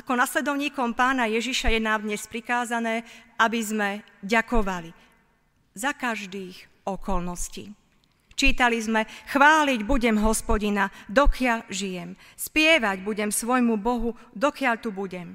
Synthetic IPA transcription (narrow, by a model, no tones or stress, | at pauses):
akɔnaslɛd̪ɔʊɲiːkɔmpaːnajɛʒiʃajɛnad̪ɲɛspɾikaːzanɛːabizmɛ | ɟakɔʋali | zakaʒd̪iːx | ɔkɔlnɔscḭː | t͡ʃiːt̪alizmɛxʋaːliɟbuɟɛmɦɔspɔɟinad̪ɔkɪaʎʒijɛm | spɪɛʋaɟbuɟɛmsʋɔjmubɔɦu | d̪ɔkɪaʎt̪ubuɟɛm